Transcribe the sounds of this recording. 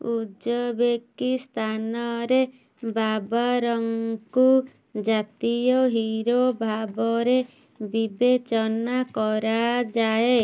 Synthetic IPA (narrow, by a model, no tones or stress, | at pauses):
ud͡ʒɔbekist̪ʰanɔɾe | babaɾɔŋku | d͡ʒat̪ijɔɦiɾobʱabɔɾe | bibet͡ʃɔnakɔɾad͡ʒae